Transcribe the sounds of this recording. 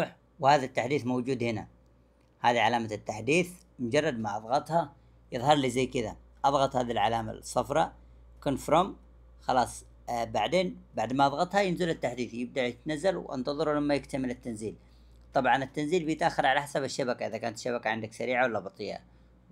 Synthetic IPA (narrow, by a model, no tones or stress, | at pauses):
ħ | whaːðat̪ːaħd̪iːθmowd͡ʒuːd̪hɪna̰ | haːðiʕalaːmat̪ːaħd̪iːθ | mʊd͡ʒɑrˤːɑd̪maʔɑðˤɣɑt̪ˤhɑ | jɨðˤhɑɾˤliːzajːkɪða̰ | ʔɑðˤɣɑt̪ˤhaːðilʕalaːma̰sˤːɑfɾˤɑ | kʊnfɾom | xɑlɑːsˤ | baʕd̪eːnbaʕd̪maʔɑðˤɣɑt̪ˤhɑjɪnzɪlat̪ːaħd̪iːθjɪb̚d̪aʕjɪt̪nazːalwʔɪ̰nt̪ɑðˤɨɾulamːajɪkt̪amɪlɪt̪ːanziːl | t̪ˤɑbʕɑnɪt̪ːanziːlbɪjɪt̪ʔaxːɪɾˤʕalaħasaβaʃːabakaʔɪðakaːnat̪ʃːabakaʕɪnd̪aksaɾiːʕawalːabɑt̪ˤɨjːa̰